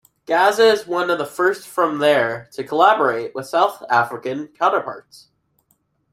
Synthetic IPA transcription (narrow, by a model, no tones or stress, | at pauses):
ɡ̥æzɨzwʌ̃nʌvðəfɜ˞stfɹʌ̃mðə˞ɾʰɨkʰəlæbə˞eɪʔ̚wʔɨð̥saʊθæfɹɨkɨ̃nkʰãʊ̃ñɾə˞pʰɑ̰ɹts